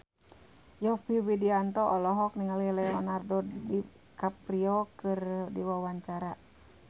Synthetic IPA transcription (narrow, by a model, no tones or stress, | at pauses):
jɔpiwidiant̪ɔʔɔlɔɦɔk̚niŋalilɛɔnardɔdi | kapɾiɔkɨrdiwawaɲt͡ʃaɾa